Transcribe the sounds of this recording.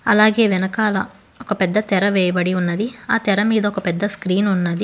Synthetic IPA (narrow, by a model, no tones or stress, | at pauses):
ɐlaːɡe̞ːʋɛnɐkaːlɐ | ɔkɐpɛd̪ːɐt̪ɛɾɐʋɛːjɐbɐɽiunːɐd̪iaːt̪ɛɾɐmiːd̪ɐɔkɐpɛd̪ːɐskɾiːnunːɐd̪i